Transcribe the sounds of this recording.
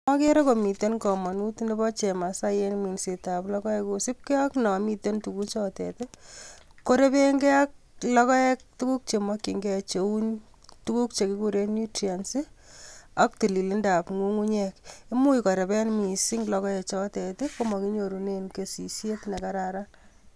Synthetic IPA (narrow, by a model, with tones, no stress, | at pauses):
mɔ˦ke˦ɾe˦ko˨mi˨te˦nkɔ˨mɔ˨nu˦tnde˦bɔ˦t͡ʃe˨ma˨sa˦je˦nmi˨nse˨taplɔ˦kɔ˦ɛ˦ku˨si˦p̚ke˦a˦knɔ˨mi˧te˦ntu˨ku˦t͡ʃɔ˦tɛ̰te˦ko˦ɾe˦pe˦ŋɡɛ˦a˦k̚ | lɔ˦kɔ˦ɛ˦k̚tu˦ku˦k̚t͡ʃe˨mɔ˦kːi˨ŋɡɛat͡ʃe˨u˦ɲ | tu˦ku˦k̚t͡ʃe˨kɪ˦ku˦ɾe˦ni˦tɾia˨nsi˦ | a˦k̚ti˨li˨li˦nda˨pŋu˦ŋu˦ɲɛ˦ke˦mu˦jkɔ˨ɾe˨pɛ˦nmi˨si˦ŋlɔ˧kɔ˦ɛ˨t͡ʃɔ˦tɛ˨te˦ko˦mɔ˨ki˦ɲo˨ɾu˨ne˦nke˨si˨sje˦tne˨ka˦ɾaɾa˦